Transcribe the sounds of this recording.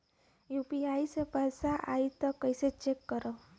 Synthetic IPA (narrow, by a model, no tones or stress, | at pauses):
jupiaisepəjsaʔait̪ɔkəjset͡ʃekːəɾə